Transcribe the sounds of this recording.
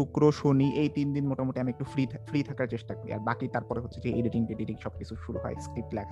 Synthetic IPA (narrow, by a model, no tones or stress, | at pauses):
ukɾoʃoniʔejt̪ind̪inmoʈamoʈiamiek̚ʈufɾifɾit̪ʰakaɾt͡ɕeʃʈakoɾḭa̰ɾbakit̪aɾpɔɾeɦotːʰed͡ʑeeɖiʈiŋʈeɖiʈikʃɔb̚kit͡ɕʰuʃuɾṵɦɔ̰eskɾip̚ʈlɛkʰa